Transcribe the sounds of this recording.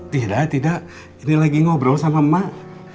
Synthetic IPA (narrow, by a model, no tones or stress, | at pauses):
t̪idaʔt̪idaʔ | inilaɡiŋɔbɾɔsamamːa